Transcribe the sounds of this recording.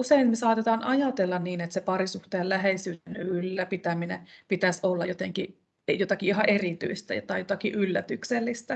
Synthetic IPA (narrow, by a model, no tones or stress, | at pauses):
useinmesɑːt̪et̪ɑːnʔɑjɑt̪elːɑnniːnet̪sepɑɾisuht̪eːllæɦeisyːenylːæpit̪æminḛpit̪æsolːɑjot̪eŋki | jot̪ɑkiiɦɑʔerit̪y̰ist̪æ̰jo̰t̪ɑijot̪ɑkiʔylːæt̪ykselːist̪æ